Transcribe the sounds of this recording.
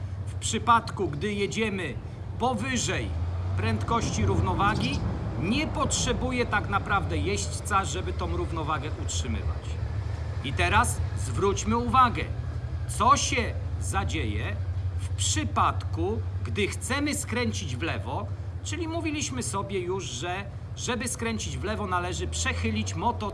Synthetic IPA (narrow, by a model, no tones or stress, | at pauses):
fpʂɘpat̪kuɡd̪ɘjɛd͡ʑɛmɘ | pɔvɘʐɛjpɾɛnt̪kɔɕt͡ɕiɾuvnɔvaɡʲiɲɛpɔtʂɛbujɛt̪aknapɾavd̪ɛjɛɕt͡ɕt̪saʐɛbɘt̪ɔ̃w̃ɾuvnɔvaɡɛʔutʂɘmɘ̰va̰t͡ɕ | it̪ɛɾaszvɾut͡ɕmɘuvaɡɛ̰t̪sɔɕɛzad͡ʑejɛfpʂɘpat̪kuɡd̪ɘxt̪sɛmɘskɾɛɲt͡ɕid͡ʑvlɛvɔt͡ʂɘlʲimuvʲilʲiɕmɘsɔbʲjɛjuʐʐɛ | ʐɛbɘskɾɛɲt͡ɕid͡ʑvlɛvɔnalɛʐɘpʂɛxɘlʲit͡ɕmɔt̪ɔ